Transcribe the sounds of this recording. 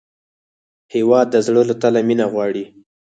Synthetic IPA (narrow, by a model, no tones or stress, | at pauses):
hewɑd̪ːəzɽəlot̪alaminaɣwɑɽi